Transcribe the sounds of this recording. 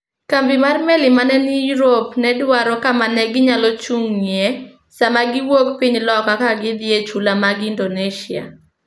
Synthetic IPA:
kambɪmarmelɪmanɛnɪjuɾopnɛdwaɾɔkamanɛɡɪɲalɔt͡ʃuŋje | samaɡɪwokpiɲlɔkakaɡɪd̪jet͡ʃulamaɡndoneʃia̰

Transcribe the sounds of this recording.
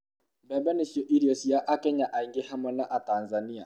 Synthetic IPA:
bɛbɛnesɔʔiɾiɔsijaʔakɛɲaʔaiŋɡehamɛnaʔatanzania

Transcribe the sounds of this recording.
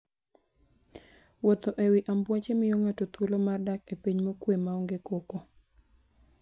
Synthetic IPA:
wot̪oʔewiʔambwat͡ʃemɪjoŋatot̪wolomardakepiɲmokwemaɔŋɡekoko

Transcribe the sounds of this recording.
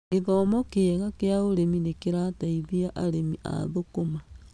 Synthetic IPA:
eðɔmɔkeɛɣakeaoɾeminekeɾataiβiaʔaɾemiʔa̰ðokoma

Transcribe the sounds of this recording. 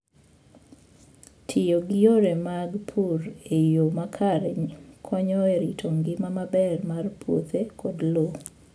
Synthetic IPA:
tʰɪjoɡɪjoɾemaɡpʰuɾejomakʰaɾɪɲkʰɔɲɔeɾitʰoŋɡɪmamabɛrmarpʰwo̰t̪ekʰɔdlo

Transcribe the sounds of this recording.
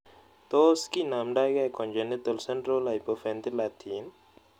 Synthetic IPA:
t̪oːskinaːmɖaːɡakonʲd͡ʒenit̪ɐlseɳʈɾolajpofent̪ilaːt̪ʰiːn

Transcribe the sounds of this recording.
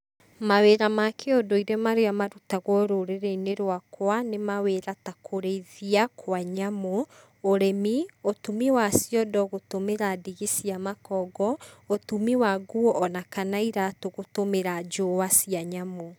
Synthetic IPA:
maweɾamakʰeodoiɾemaɾeamaɾutaɣwɔɾoɾeɾeineɾwakwanemaweɾatakʰoɾeiðiakʰwaɲamoː | ɾemiotumiwasjɔdɔɣotomeɾadiɣesiamakɔɡɔotumiwaɣuɔːnakanaiɾatoɣotomeɾad͡ʒowasiaɲamo

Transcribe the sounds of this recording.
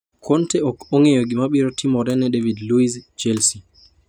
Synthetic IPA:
kʰɔntɛɔkɔŋɛjoɡimaɓiɾɔtimɔɾɛnɛdevidluisd͡ʒelsi

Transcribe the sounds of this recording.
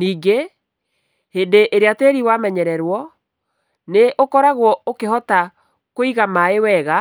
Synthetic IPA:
niːɡe | hendeʔeɾeateɾiwamɛɲɛɾɛɾwɔ | neʔokɔɾaɣwɔokeɦɔta | koiɣamaewɛɣa

